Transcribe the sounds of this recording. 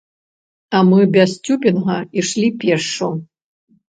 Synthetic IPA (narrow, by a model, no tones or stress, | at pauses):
ɐmɨbʲasʲt͡sʲupʲinɣɐiʂlʲipʲɛrʂu